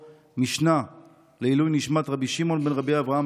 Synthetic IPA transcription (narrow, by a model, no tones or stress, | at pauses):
miʃna | leilujniʃmat̪ʁabiʃimo̞nbenʁabiavʁaam